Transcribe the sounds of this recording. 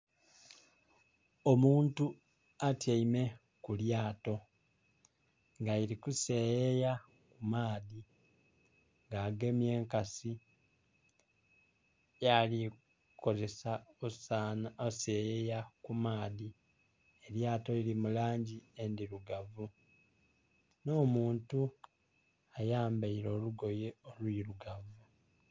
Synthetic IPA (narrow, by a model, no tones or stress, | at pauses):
omuːntu | atjaime̞ | kuljaːto̞ | ŋɡaiɾikuse̞jeja | kumaːði | ŋɡaːɡe̞mje̞ːŋkasi | jali | ko̞ze̞saosanosejejakumaːði | eɾjaːto̞ilimulaːɲɟie̞ndiɾuɡavu | no̞ːmuːntu | ajaːmbeiɾo̞ːluɡo̞je̞o̞lwiːɾuɡavu